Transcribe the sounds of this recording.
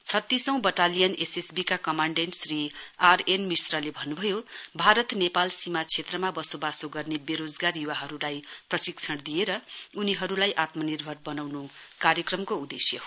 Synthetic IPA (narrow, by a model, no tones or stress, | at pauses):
t͡sʰʌt̪ːisʌ̃w̃bʌʈalijʌnesesbikakʌmaɳɖenʈsriarenmisrʌlebʱʌnːubʱʌjobʱaɾʌt̪nepalsimat͡sʰet̪rʌmabʌsobasoɡʌrnebeɾod͡zɡarjuwaɦʌɾulajprʌsikt͡sʰʌɽd̪ijeɾʌuniɦʌɾulajʔat̪mʌnirbʱʌrbʌnawnukarjʌkrʌmkoud̪esjʌ